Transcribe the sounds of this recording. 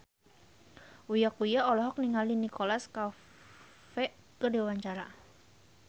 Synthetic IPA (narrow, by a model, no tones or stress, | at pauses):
ujakujaɔlɔɦɔk̚niŋalinikolaska | fɛ | kədewaɲt͡ʃaɾa